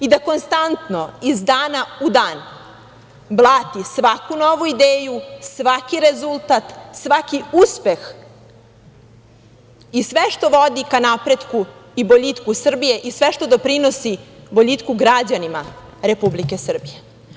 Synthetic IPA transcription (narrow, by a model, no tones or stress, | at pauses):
id̪ako̞nst̪ant̪no̞izd̪aːnaud̪aːn | blˠaːt̪isʋakunoʋuid̪eːjusʋakiɾezulˠt̪at̪sʋakiuspe̞x | isʋeʃt̪o̞ʋo̞d̪ikanapɾed̪kuiboʎit̪kusr̩bije̞ʔisʋeʃt̪o̞d̪o̞pɾino̞siboʎit̪kuɡɾad͡ʑanima | ɾe̞publike̞sr̩bije